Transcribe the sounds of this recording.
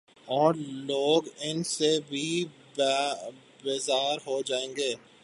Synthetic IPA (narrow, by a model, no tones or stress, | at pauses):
ɔːɾloːɡɪnsebʱi | bɪzaːɾɦod͡ʒaːẽːŋɡeː